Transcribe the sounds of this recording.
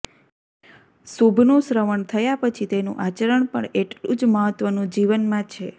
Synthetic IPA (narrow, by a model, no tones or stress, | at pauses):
subʱnũsɾəʋəɳt̪ʰəjapət͡ʃʰit̪enṵ̃ʔat͡ʃəɾəɳpəɳeʈlṵ̃d͡ʒməɦət̪ʋənũd͡ʒiʋənmãt͡ʃʰe